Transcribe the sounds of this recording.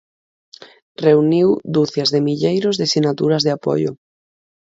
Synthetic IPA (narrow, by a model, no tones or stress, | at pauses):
reuniwd̪uθjazðemiʎejɾʊzðesinat̪uɾazðeapɔ̰ʎʊ̰